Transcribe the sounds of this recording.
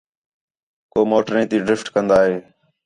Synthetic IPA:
koːmoːʈɾẽːt̪iːɖɾɪfʈkənd̪aːɦeː

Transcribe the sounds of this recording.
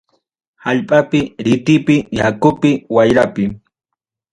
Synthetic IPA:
haʎpʼapɪɾɪt̪ɪpɪjakʊpɪwajɾapɪ

